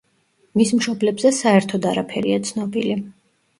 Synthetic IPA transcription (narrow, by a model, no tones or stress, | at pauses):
mismʃɔblɛbzɛsaɛɾt̪ʰɔd̪aɾapʰɛɾiat̪sʰnɔbili